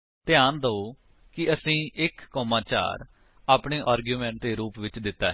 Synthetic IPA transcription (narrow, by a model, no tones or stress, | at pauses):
t̪ɪjaːnd̪əoː | kɪəsĩːʔɪkːɔːmãːt͡ʃa̰ːɾ | aːpɳeːʔaːɾɡjuːmɛ̃ːɳʈt̪eːɾuːpʋɪt͡ʃd̪ɪt̪ːa̰ːɦ